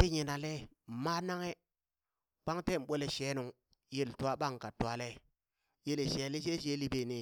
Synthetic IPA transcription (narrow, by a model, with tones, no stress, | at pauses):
ti˦ɲi˨na˨le˦˨ma˦na˦ŋe˦ | k͡pa˦ŋte˦˨ɓʷo˦le˨ʃe˨˦nu˨ŋ | je˦˨ltu˨˦a˦ɓa˦˨ŋka˨tːu˨a˨le˦ | je˦le˨ʃe˨˦li˦ʃ̬e˦ʃ̬e˦li˦be˨ni˨